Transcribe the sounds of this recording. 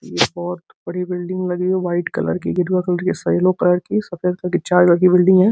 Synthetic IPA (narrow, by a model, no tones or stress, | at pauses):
jebɔːt̪bɐɽibɪlɖɪ̃ŋɡlɐɡiɛʋaːɪʈkɐ̰lə̰ɾkḭɡɪɾɡakɐləɾkisaɪlokɐləɾkisɐfed̪̚kɐɾkit͡ʃaːɾkɐləɾkibɪlɖɪ̃ŋɡɦɛ̃ː